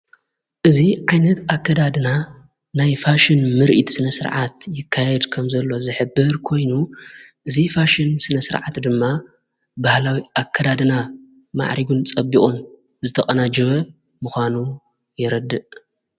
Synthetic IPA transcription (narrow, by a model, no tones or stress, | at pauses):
ʔɨziʕajnɐt̪akʰːɐd̪ad̪ɨna | najfaʃɪnmɨɾʔit̪sɨnɐsɨɾʕat̪jɪkʰːajɛd̪kʰɐmzɐlːo̞zɨħɨbːɨɾkʰo̞jnuʔɨzifaʃɪnsɨnɐsɨɾʕa̰t̪d̪ɨmːa | bahlawiʔakʰːɐd̪ad̪ɨna | ma̰ʕɾiɡunt͡sʼɐbikʼon | zɨt̪ʰɐχʼɐnad͡ʒɐβɐ | muxʷanu | jɛɾɐd̪ːɨʔ